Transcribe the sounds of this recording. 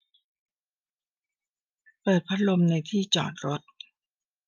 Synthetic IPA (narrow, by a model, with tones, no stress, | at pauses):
pɤː˨˩t̪̚pʰa˦˥t̪̚lo˧mna˧jt̪ʰiː˥˩t͡ɕɔ̰ː˨˩n̚ɾo˦˥t̪̚